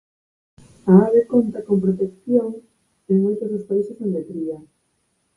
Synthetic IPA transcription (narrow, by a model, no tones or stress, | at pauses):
aaβekont̪akompɾot̪ekθjoŋ | eŋmojt̪ozospaisesond̪et̪ɾia